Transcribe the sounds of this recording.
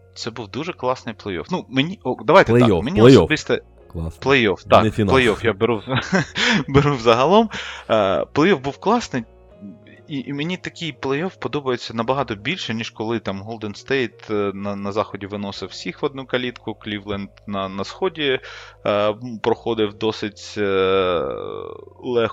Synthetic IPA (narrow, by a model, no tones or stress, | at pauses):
t̪sɛbuwd̪uʒɛklˠɑsnɪjplˠɛjɔ̰fnumenʲiɔd̪ɐʋajt̪ɛt̪menʲiɔsɔbɪst̪ɐ | plˠɛjɔft̪ɑk̪lˠejɔfjabeɾu | beɾuwzɐɦɐlˠɔm | plˠɛjɔfbuwklˠɑsnɪj | iʔmenʲit̪ɐkʲɪjplˠɛjɔfpɔd̪ɔbɐjet͡sʲːɐnɐbɐɦɑt̪ɔbʲilʲʃɛnʲiʃkɔlˠɪt̪ɑmɦɔlˠd̪enst̪ɛjt̪nɐnɐzɑxɔdʲiʋɪnɔsɪwsʲixʋɔd̪nukɐlʲit̪kʊklʲiʋlˠɛnd̪nɐnɐsxɔdʲi | pɾɔxɔd̪ɪwd̪ɔsɪtʲ | lˠɛx